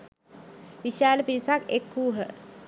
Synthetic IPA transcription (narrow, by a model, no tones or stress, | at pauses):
ʋiʃjaːləpiɾisakekːuːɦə